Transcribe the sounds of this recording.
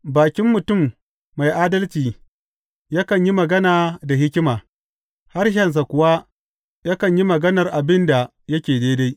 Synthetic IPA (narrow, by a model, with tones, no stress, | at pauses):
baː˨kʲɪ˦mːʊ˨tʊ˦˨mː | a˨jʔaː˦dɐ˦lt͡ʃiː˨ | jaː˦kɐ˨ɲji˦mɐ˨ɡɐ˦naː˨da˨ɦɪ˦kʲɪ˦maː˨ | ha˦rʃɐ˨ns̬a˨kʷʊ˨wa˦ | ja˦kɐ˨ɲji˦mɐ˨ɡɐ˦nɐ˨rʔa˨bɪ˦nda˨ | jɐ˦kʲeː˨deː˦da˦j